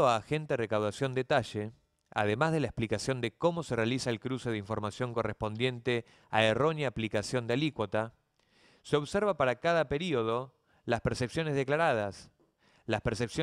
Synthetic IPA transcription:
oaːxe̞nt̪erekawðasjo̞nd̪et̪aʒe | a̰ðe̞mazðelaesplikasjo̞nd̪eko̞mo̞serealisaelkɾuse̞ðeiɱfo̞ɾmasjo̞ŋko̞respo̞nd̪je̞nt̪e | a̰ero̞njaːplikasjo̞nd̪ealikwot̪a | seo̞βseɾβapaɾakaðape̞ɾio̞ð̞o̞ | laspeɾsepsjo̞ne̞zðeklaɾað̞as | laspeɾsepsjo

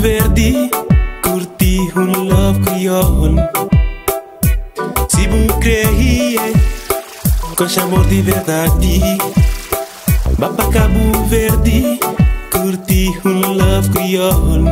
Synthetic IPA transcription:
veɾd̪ikuɾt̪ihulːɔfkɾiɔn | sibukɾeɦie | koʃaboɾd̪iveɾd̪ad̪i | bapakabuveɾd̪ikuɾt̪ihulɔfkɾiɔon

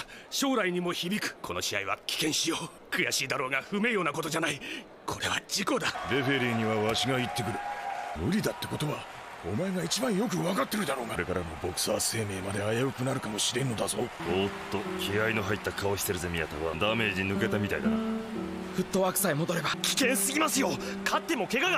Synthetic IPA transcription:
ɕo̞ːɾaiɲ̟imo̞çibʲikɯ̟̥kʰo̞no̞ɕiaiβakʲi̥kẽ̞ɰ̃ɕijo̞ː | kɯ̟jaɕiːd̪aɾo̞ːɡaɸɯ̟me̞ːjoːnakot̪o̞d͡ʑanai | kʰo̞ɾe̞βad͡ʑiko̞d̪ad̪e̞ɸe̞ɾʲiɲ̟iβaβaɕiɡait̪ːe̞kɯ̟ɾɯ̟nɯɾʲid̪at̪ːe̞ko̞t̪o̞βa | omaeɡait͡ɕibãɰ̃jo̞k̬ɯ̟βakat̪ːe̞ɾɯ̟d̪aɾo̞ːɡaɾe̞kaɾamo̞bo̞kɯ̥saːse̞ːme̞ːmad̪e̞ajaɯ̟kɯ̟naɾɯ̟kamo̞ɕiɾẽ̞nːo̞d̪azo̞ːot̪ːo̞kʲiainoɦait̪ːakao̞ɕi̥t̪eɾɯ̟zemʲijat̪aβad̪ame̞ːʑinɯ̟ke̞t̪amʲit̪a̰id̪a | ɸɯ̟t̪ːo̞akɯ̟̥saimo̞d̪o̞ɾe̞bakʲi̥kẽ̞ɰ̃sɨɡʲimasɨjo̞kʰat̪ːe̞mo̞ke̞ɡaɡa

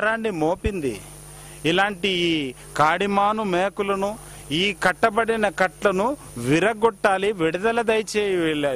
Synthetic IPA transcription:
ɾaːɳɖimoːpind̪ḭ | ilaːɳʈiː | kaːɽimaːnumeːkulɐnu | iːkɐʈːɐbɐɽinɐkɐʈlɐnu | ʋiɾɐɡɔʈːaːliʋiɽud̪ɐlɐd̪ɐjt͡ʃeːjiʋɛɭːeː

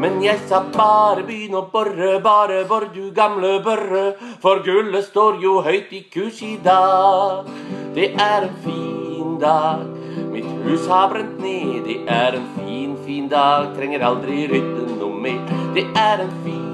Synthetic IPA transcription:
mɛnjæɪsɑbɑːɾəbnɔbœɾəbɑːɾəbɔɾd̪ʉɡɑmləbœɾəfɔɾɡʉləst̪oːɾjuɦœʏt̪ikʰʉːʂɪd̪ɑː | d̪̥ɛʔæɾɛnfiːnd̪ɑːɡ | mɪt̪hʉːshɑbɾɛnt̪neːd̪ɛʔæɾɛnfiːnfiːnd̪ɑːɡ̚t̪ʰɾɛŋːəɾɑld̪ɾɪɾʏt̪ːənɔmːɛɪd̪̥ɛʔæɾɛnfiː

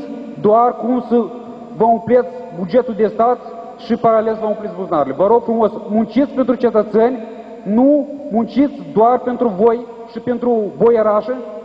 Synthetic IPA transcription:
d̪oarkumsə | vəuplet̪sʲbud͡ʒe̞t̪uld̪e̞st̪at̪ | ʃipaɾalesvəmuplet̪sbuznaɾilevəɾo̞ɡ̥fɾumo̞smunt͡ʃit̪sʲpe̞nt̪ɾut͡ʃe̞t̪ət̪senʲ | numunt͡ʃit̪sʲd̪oarpe̞nt̪ɾuvo̞j | ʃipe̞nt̪ɾuvojeɾaʃe

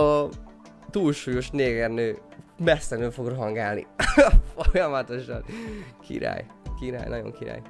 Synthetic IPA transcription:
ɒ | t̪uːlʃuːjo̞ʃneːɡɛrnøː | mɛsːɛnøːfo̞ɡrɦɒŋɡaːlnḭfojɒmɒt̪o̞ʃɒnkʰḭɾa̰ːjkiɾa̰ːjnɒɟo̰ŋkiɾa̰ːj

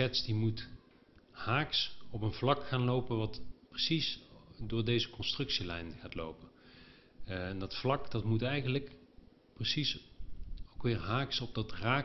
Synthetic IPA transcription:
ɛtsdimut | haːksɔpənvlɑkχaːnlowpənʋɑtprəsisdʊːɹdejzəkɔnstrɵksilɛ̰jnχaːtlo̰wpən | ndɑtflɑkdɑtmutɛjɣənlək | prəsis | owkʋɪːɹɦaːksɔb̚dɑtraː

